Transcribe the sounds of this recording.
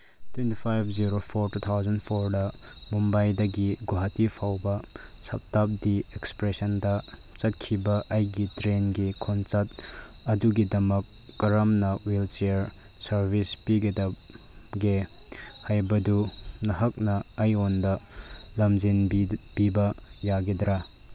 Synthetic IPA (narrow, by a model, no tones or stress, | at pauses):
twentipʰajp̚ʰziɾopʰoɾtut̪ʰawzɐnpʰoɾdɐ | mumbajdɐɡiɡoɦatipʰawbɐsɐ̰p̚tap̚diekspɾesɐndɐ | t͡ʃɐt̚kʰibɐʔɐjɡitɾenɡikʰont͡ʃɐt̚ | ɐduɡidɐmɐkː | ɐɾɐmnɐwilt͡ʃeɾ | sɐɾbʱispiɡedɐp | ɡe | hajbɐdunɐɦɐk̚nɐːjondɐlɐmd͡ʒinb̥ibɐjaɡedɾa